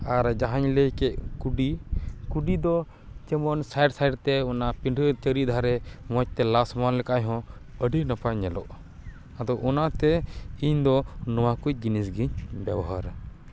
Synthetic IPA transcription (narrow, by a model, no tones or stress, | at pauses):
aɾd͡ʒaɦaɲləjkɛʔ̚kuɖikuɖid̪ɔ | t͡ʃɛmɔnsajɖsajɖt̪ɛɔnapiɳɖət͡ʃəɾid̪ʱaɾɛmɔc̚t̪ɛlasmanlɛkajɦɔ̃əɖinapaɲɛlɔʔ | ad̪ɔʔɔnat̪ɛiɲd̪ɔnɔwakuc̚ˀd͡ʒinisɡiɲbɛbɔɦaɾ